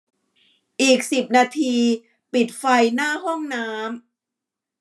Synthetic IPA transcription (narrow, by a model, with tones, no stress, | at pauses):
ʔiː˨˩k̚si˨˩p̚naː˧t̪ʰiː˧ | pi˨˩t̪̚fa˧jnaː˥˩hɔ˥˩ŋnaː˦˥m